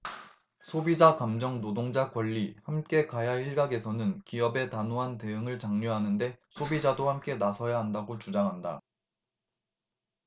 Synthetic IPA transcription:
sʰobid͡ʑakamd͡ʑʌŋnodoŋd͡ʑakwʌʎːihamk͈e̞kajaiɭɡaɡe̞sʰʌnɯnkiʌbe̞tanoɦante̞ɯŋɯɭt͡ɕaŋɲʌɦanɯnde̞sʰobid͡ʑadohamk͈e̞nasʰʌjaɦandaɡot͡ɕud͡ʑaŋɦanda

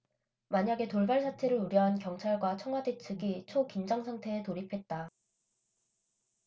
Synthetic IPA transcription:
maɲaɡe̞toɭbaɭsʰatʰe̞ɾɯɾuɾjʌɦankjʌŋt͡ɕʰaɭɡwat͡ɕʰʌŋɦwade̞t͡ɕʰɯɡit͡ɕʰokind͡ʑʌŋsʰaŋtʰe̞ːtoɾipʰe̞t̚t͈a

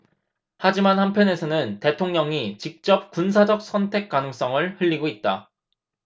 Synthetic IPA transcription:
had͡ʑimanhampʰjʌne̞sʰʌnɯnte̞tʰoŋɲʌŋit͡ɕik̚t͡ɕ͈ʌp̚k͈unsʰad͡ʑʌk̚s͈ʌntʰe̞k̚k͈anɯŋs͈ʌŋɯɭhɯʎːiɡoit̚t͈a

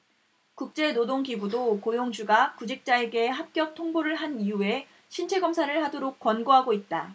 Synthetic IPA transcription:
kuk̚t͡ɕ͈e̞nodoŋɡibudokojoŋd͡ʑuɡakud͡ʑik̚t͡ɕ͈ae̞ɡe̞ɦap̚k͈jʌk̚tʰoŋboɾɯɭɦaniue̞ | ɕʰint͡ɕʰe̞ɡʌmsʰaɾɯɭhadoɾok̚k͈wʌnɡoɦaɡoit̚t͈a

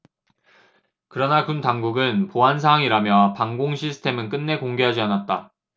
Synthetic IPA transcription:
kɯɾʌnakuntaŋɡuɡɯnpoɦansʰaɦaŋiɾamjʌpaŋɡoŋɕʰisʰɯ̥tʰe̞mɯnk͈ɯnːe̞koŋɡe̞ɦad͡ʑianat̚t͈a

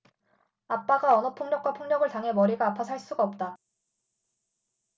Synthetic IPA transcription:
ap͈aɡaʌnʌpʰoŋɲʌk̚k͈wapʰoŋɲʌɡɯɭtaŋɦe̞mʌɾiɡaːpʰasʰaɭs͈uɡaʌp̚t͈a

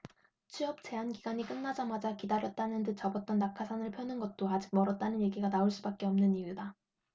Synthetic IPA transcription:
t͡ɕʰiʌp̚t͡ɕe̞ɦanɡiɡaɲik͈ɯnːad͡ʑamad͡ʑakidaɾjʌt̚t͈anɯndɯt͡ɕʌbʌt̚t͈ʌnːakʰasʰanɯɭpʰjʌnɯnɡʌt̚t͈oad͡ʑik̚mʌɾʌt̚t͈anɯnje̞ɡiɡanaoɭs͈ubak̚k͈e̞ʌmnɯniuida

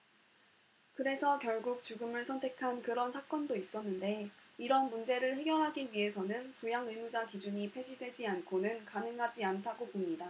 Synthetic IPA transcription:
kɯɾe̞sʰʌkjʌɭɡuk̚t͡ɕuɡɯmɯɭsʰʌntʰe̞kʰankɯɾʌnsʰak͈ʌndois͈ʌnːɯnde̞iɾʌnmund͡ʑe̞ɾɯɭhe̞ɡjʌɭɦaɡiɥie̞sʰʌnɯnpujaŋɯmud͡ʑakid͡ʑuɲipʰe̞d͡ʑidwe̞d͡ʑiankʰonɯnkanɯŋɦad͡ʑiantʰaɡopomɲida

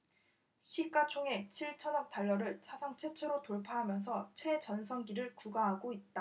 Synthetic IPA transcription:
ɕʰik͈at͡ɕʰoŋe̞t͡ɕʰiɭt͡ɕʰʌnʌk̚t͈aɭːʌɾɯɭsʰasʰaŋt͡ɕʰe̞t͡ɕʰeɾotoɭpʰaɦamjʌns̬ʰʌt͡ɕʰwe̞t͡ɕʌnsʰʌŋɡiɾɯɭkuɡaɦaɡoit̚t͈a

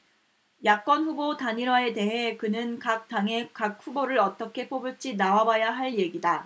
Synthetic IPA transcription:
jak̚k͈wʌnɸubotaɲiɾwae̞te̞ɦe̞kɯnɯnkak̚t͈aŋe̞kak̚ɸuboɾɯɾʌt͈ʌkʰe̞p͈obuɭt͡ɕ͈inawabajaɦaɭje̞ɡida

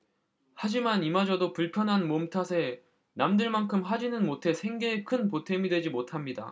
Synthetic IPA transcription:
had͡ʑimanimad͡ʑʌdopuɭpʰjʌnɦanmomtʰasʰe̞ | namdɯɭmankʰɯmɦad͡ʑinɯnmotʰe̞sʰe̞ŋɡe̞ːkʰɯnpotʰe̞midwe̞d͡ʑimotʰamɲida̰

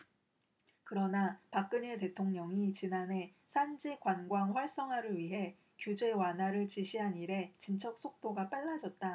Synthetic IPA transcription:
kɯɾʌnapak̚k͈ɯɲete̞tʰoŋɲʌŋit͡ɕinane̞sʰand͡ʑikwanɡwaŋɸwaɭs͈ʌŋɦaɾɯɭɥiɦe̞ | kjud͡ʑe̞wanɦaɾɯɭt͡ɕiɕʰiɦaniɾe̞t͡ɕint͡ɕʰʌk̚s͈ʰok̚t͈oɡap͈aɭːad͡ʑʌt̚t͈a

